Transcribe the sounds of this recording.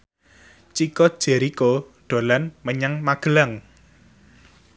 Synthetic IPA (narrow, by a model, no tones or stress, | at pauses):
t͡ʃikɔd̥ʒ̥e̤ɾikoɖ̥o̤lanməɲaŋmaɡ̥ə̤laŋ